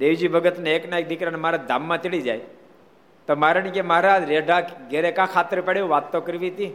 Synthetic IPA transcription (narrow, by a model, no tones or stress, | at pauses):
d̪eʋd͡ʒibʱəɡət̪neeknaek̚d̪ɪkɾanemaɾad̪ʱamːãt̪iɭid͡ʒa̰j | t̪omaɾanikemaɦɾad͡ʒɾeɖʱakɡeɾekãkʰat̪əɾpɛɽjõʋat̪ːokəɾʋit̪i